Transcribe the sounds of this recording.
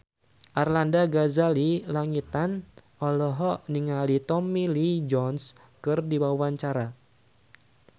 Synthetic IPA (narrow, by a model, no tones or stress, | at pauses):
ʔarlandaɡazalilaŋit̪anʔɔlɔɦɔʔniŋalit̪ɔmilid͡ʒɔns | kɨrdiwawaɲt͡ʃaɾa